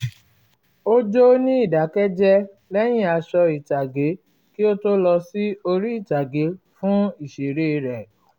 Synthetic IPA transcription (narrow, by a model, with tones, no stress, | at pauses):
o˦d͡ʒo˦nĩ˦i˦˨da˨˦kɛ˦d͡ʒɛ˦ | lɛ˦j̃ĩ˦a˨˧ʃɔ˧i˨ta˨ɡe˨˦ | ki˦o˦to˦lɔ˧si˦o˧ɾi˦i˦˨ta˨ɡe˨˦ | fũ˦i˦˨ʃe˨ɾe˦˧ɾɛ˨